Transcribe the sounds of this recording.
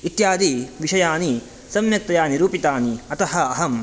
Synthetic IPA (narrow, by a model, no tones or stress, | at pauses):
it̪jaːd̪iːʋiʃɐjaːni | sɐmjɐk̚t̪ɐjaːniɾuːpit̪aːniɐt̪ɐɦɐɐɦɐm